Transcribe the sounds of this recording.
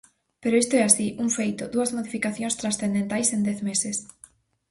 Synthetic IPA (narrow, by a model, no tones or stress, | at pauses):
peɾʊest̪oɛasiʔuŋfejt̪ʊðuɐzmoðifikaθjõŋst̪ɾasθẽnd̪ẽnt̪ajsend̪ɛθmesɪs